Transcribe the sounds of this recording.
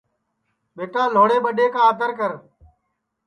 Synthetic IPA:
ɓeːʈãːloːɽeːɓəɗeːkaːət̪əɾkəɾ

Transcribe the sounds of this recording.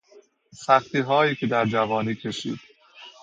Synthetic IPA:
sæxt̪iːɦɒːjiːcʰʲed̪æɾd͡ʒævɒːniːcʰe̞ʃḭːd̪̥

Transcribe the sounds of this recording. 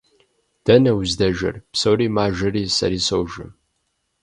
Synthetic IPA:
d̥ɐnɐwzdɐʒɐ̰rpsowɾiːmaːʒɨɾiːsɐ̰ɾiːsowʒɨ̰

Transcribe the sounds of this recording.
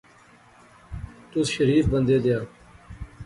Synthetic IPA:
t̪ʊsʃəɾiːfbənd̪eːd̪ejaː

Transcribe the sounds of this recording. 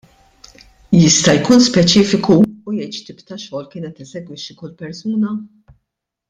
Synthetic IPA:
jɪst̪ɐjkuːnspɛt͡ʃiːfɪkuːjɛjt̪ʃt̪ɪːpt̪ɐʃɔːlkɪːnɛt̪ɛzɛɡwɪʃːikʊlːpɛɾsuːnɐ

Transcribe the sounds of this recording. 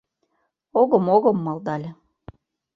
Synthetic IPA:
oɣɤ̆moɣɤ̆mːɑlˠd̪ɑlʲĕ

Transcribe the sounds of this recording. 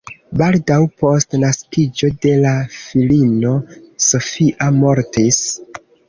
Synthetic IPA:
baldawpo̞stnaskid͡ʒo̞de̞lafilino̞so̞fiʔamo̞ɾtis

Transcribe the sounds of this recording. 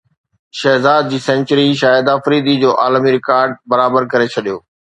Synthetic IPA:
ʃɛːzaːd̪̚d͡ʑiːsɛ̃nt͡ɕəɾiʃaːjəd̪aːfɾiːd̪id͡ʑoːʔaːlmiɾɪkaːɾɖ̚bɐɾaːbəɾkɐɾet͡ɕʰɐɗijoː

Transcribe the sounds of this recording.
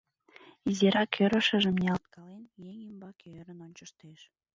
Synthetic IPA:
izeɾɑkʰøɾə̆ʃə̆ʒə̆mnʲeɑlt̪̚kɑlenjeŋimbɑkʰøɾənonʲt͡ɕəʃt̪eʃ

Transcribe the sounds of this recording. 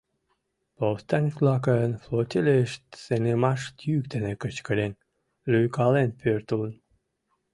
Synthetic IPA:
powst̪ɑnʲflɑk̬əənflot̪ʲelʲeʃt̪senemɑʃt̪jykd̪enekət͡ɕkəlen | lyjkɑlenpørt̪ulən

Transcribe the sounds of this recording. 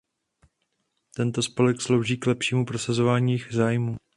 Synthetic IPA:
t̪ɛnt̪o̞spolɛkslowʒiːklɛpʃiːmupɾo̞sazo̞vaːɲiːjzaːjmuː

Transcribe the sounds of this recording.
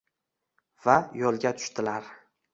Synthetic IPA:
vajɒlˠɡʲat̪ʰʊ̥ʃt̪ɪlaɾ

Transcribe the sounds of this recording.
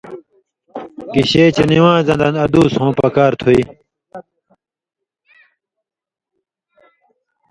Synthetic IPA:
kiɕeːt͡ɕeniwãːzɐ̃nd̪ɐ̃nɐd̪uːshõːpɐkaːɾt̪ʰuiː

